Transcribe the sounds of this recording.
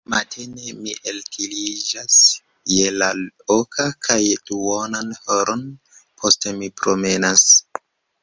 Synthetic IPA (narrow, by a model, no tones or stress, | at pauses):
matʰenemiʔelkʰilid͡ʒas | je̞laokʰakʰajduonanhoɾon | pʰo̞ste̞mipɾo̞me̞nas